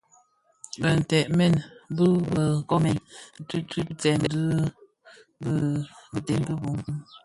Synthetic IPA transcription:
bə˨n̩˨tɛ˨ʔmɛ˦˨nbə˦bə˨kɔ˦mɛ˨nn̩˦ti˦ti˦t͡sɛ˨n˨dɨ˦ | bbə˨te˦nbə˦bu˨˦ŋ˦

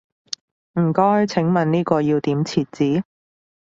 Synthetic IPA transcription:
m̩˨˩kɔː˥hɵ˨˧ɥt͡sʰɪ˨˥ŋmɐ˨nniː˥kɔː˧ji˧wt̪iː˨˥mt͡sʰiː˨t̚t͡siː˨˥

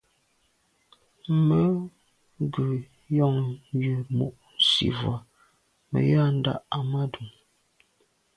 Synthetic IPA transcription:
mə˦ | ɡʉ˨ | jɔ˦˨ŋjʉ˨mṵ˨ʔsḭ˨vwa˨ | mə̰˨ja˦˨n̩˦da̰˦˨ʔa˨ma˦du˨ŋ

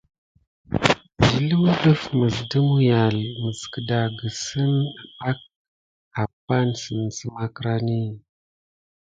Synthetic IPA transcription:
d͡ʒi˨lə˦mə˦lə˦fmə˨ɮdə˦mu˦ja˨lmə˨skə˨da˨ɡə˨sə˦n˨a˦k̚ | a˨pːa˦nsə˨nsə˦ma˦kɾa˦ni˦

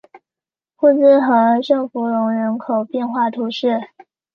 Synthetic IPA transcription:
xu˥˧t͡sɹ̩˥xə˧˥ə˧ʈ͡ʂɤ˥˩ŋfu˧˥lʊ˧˥ŋɻə˧˥nkʰo˨˩ʊpjɛ˥˧nxwa˥˩t̪ʰu˧˥ʂɻ̩˥˩

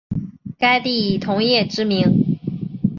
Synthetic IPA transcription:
ka˥ɪt̪i˥˩i˨˩t̪ʰʊ˧˥ŋjɛ˥˩ʈ͡ʂɻ̩˥mi˧˥ŋ

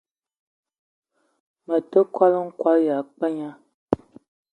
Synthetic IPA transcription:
mə˨tə˦kwa˦lə˦ŋ̩˦kwa˦ja˨k͡pə˦ɲa˦

